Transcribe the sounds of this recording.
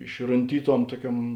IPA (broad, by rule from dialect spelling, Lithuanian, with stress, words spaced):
ɪʃrʊnʲˈtʲiːˌtuɔm ˈtuɔˌkʲuɔm